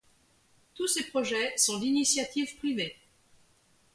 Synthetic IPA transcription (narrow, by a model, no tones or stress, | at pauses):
t̪usepχɔʒɛsɔ̃d̪inisjat̪ivpχive